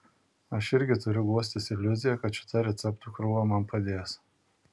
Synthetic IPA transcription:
ɐʃɪɾʲɡʲɪt̪ʊɾʲʊɡuɔsʲt̪ʲɪsɪlʲʊzʲɪjɛkɐt̪ʃʲɪ̥t̪ɐɾʲɛt̪sʲɛpt̪ukɾʊːʋɐmɐmpɐd̪ʲeːjs

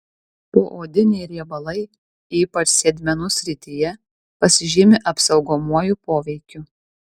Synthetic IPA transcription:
poːʔoːd̪ʲɪnʲɛɪɾʲiɛbɐlˠɐɪ | iːpɐt͡ʃsʲɛd̪ʲmʲɛnʊsʲɾʲɪt̪ʲɪjɛ | pɐsʲɪʒʲɪmʲɪʔɐpsɒʊɡoːmuɔjupoːʋʲɛɪkʲʊ

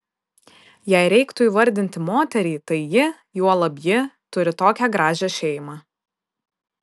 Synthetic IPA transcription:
jɛɪɾʲɛɪkt̪ʊiːʋɐɾʲd̪ʲɪnʲt̪ʲɪmoːt̪ʲɛɾʲiːt̪ɐɪjɪ | juɔlˠɐbʲjɪt̪ʊɾʲɪt̪oːkʲæɡɾɑːʒʲɛʃʲɛɪmɑː

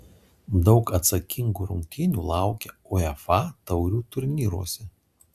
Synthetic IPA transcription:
d̪ɒʊkɐt̪sɐkʲɪŋɡuːɾʊŋʲkʲkʲɪnʲuːlˠɑˑʊkʲɛɔːɛfɑt̪ɐʊɾʲuːt̪ʊɾʲnʲiːɾuɔsʲɛ

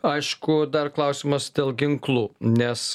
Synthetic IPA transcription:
ɐɪʃkʊd̪ɐɾklˠɐˑʊsʲɪmɐsd̪ʲeːlˠɡʲɪŋklˠuːnʲɛs

